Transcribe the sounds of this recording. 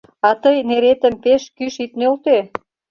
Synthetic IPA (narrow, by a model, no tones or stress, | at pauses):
ɑt̪əjneɾet̪ə̆mpeʃkyʃit̪nølt̪e